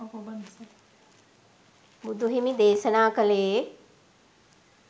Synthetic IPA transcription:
bɐn | bʊd̪ʱuɦimĩd̪eːsənaːkɐleː

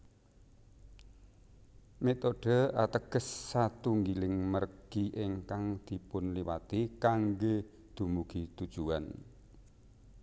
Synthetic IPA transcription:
met̪oɖ̥ə̤at̪əɡ̥ə̤sːat̪uŋɡilɪŋmərɡ̥iʔɪŋkaŋd̪̥i̤pʊnliwat̪ikaŋɡe | d̪̥ṳmuɡ̥it̪ud̥ʒ̥ua̰n

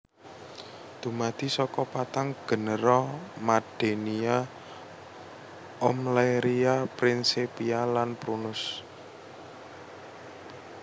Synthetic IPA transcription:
d̪̥ṳmad̪̥i̤sɔkɔpat̪aŋɡ̥ə̤nəɾɔmad̥e̤nia | ɔmlaɾiapɾinsepialanpɾunʊs

